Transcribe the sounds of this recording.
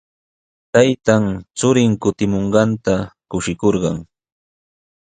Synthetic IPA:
t̪ajt̪aŋt͡sʊɾɪŋkʊt̪ɪmoɴɢɑnt̪akʊʃɪkoɾɢɑŋ

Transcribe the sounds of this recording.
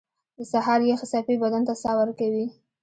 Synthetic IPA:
d̪əsaɦɑɾjexɪsɑfibad̪ant̪asɑwaɾkawi

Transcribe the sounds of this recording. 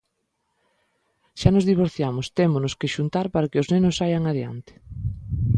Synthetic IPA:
ʃanozðiβ̞oɾθjamʊst̪emonʊskeʃunt̪aɾpaɾakeoznenʊsːajaŋaðja̰nt̪ɪ̥

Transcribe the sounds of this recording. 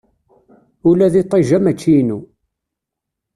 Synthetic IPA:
ulæðit̪ˤːeʒæmæt͡ʃːinu

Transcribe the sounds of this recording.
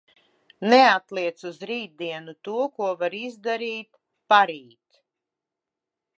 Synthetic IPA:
nɛat̪lˠiɛt̪suzɾiːd̪̚d̪iɛnut̪uɔkuɔvaɾizd̪aɾiːt̪ | paɾiːt̪

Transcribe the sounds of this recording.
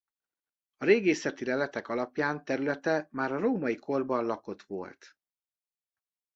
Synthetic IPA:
ɒɾeːɡeːsɛt̪ilɛlɛt̪ɛkɒlɒpjaːnt̪ɛɾylɛt̪ɛmaːɾɒɾoːmɒjikʰo̞rbɒnlɒko̞t̪ʋo̞̰lt̪

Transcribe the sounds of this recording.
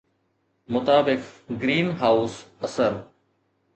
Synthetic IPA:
mʊt̪aːbɪkɡɾiːnɦaːʊsɐsəɾ

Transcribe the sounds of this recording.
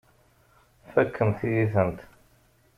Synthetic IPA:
fækʰːəmθijiθənt̪

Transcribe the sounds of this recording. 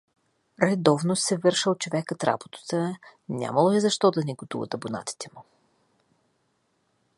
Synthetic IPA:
ɾɛd̪ɔvnosɛvɤɾʃəlˠt͡ʃovɛkət̪ɾa̰bot̪ə̥t̪ənʲa̰məlˠoɛzɐʃt̪ɔd̪ɐnɛɡot̪ṵvə̰t̪ɐbona̰t̪i̥t̪ɛmu

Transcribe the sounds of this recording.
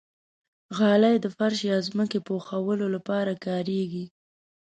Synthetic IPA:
ɣɑlajd̪əfaɾʃjɑzməkepoxawəlolapɑɾakɑɾeɡi

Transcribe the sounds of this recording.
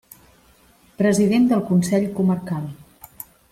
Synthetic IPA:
pɾəziðend̪əlˠkunsɛʎkuməɾkalˠ

